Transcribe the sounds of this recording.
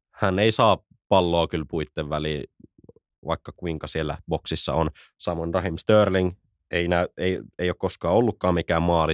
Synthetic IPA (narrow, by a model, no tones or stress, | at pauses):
hæneisɑː | pɑlːoːkylpuit̪ːeʋʋæliː | ʋɑ̰ikːɑkuiŋkɑsielːæ̰boksisːɑ̰on | sɑmonrɑhimst̪øːrliŋ | einæyeieˑijokoskɑːolːukːɑːmikæːmmɑːli